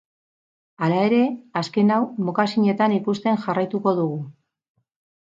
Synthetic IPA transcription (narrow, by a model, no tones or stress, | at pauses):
alae̞ɾe̞aske̞nawmokasiɲe̞t̪anikust̪e̞nʝarajt̪uko̞ðuɣu